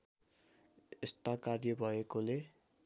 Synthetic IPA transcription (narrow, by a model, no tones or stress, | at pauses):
est̪akarjʌbʱʌekole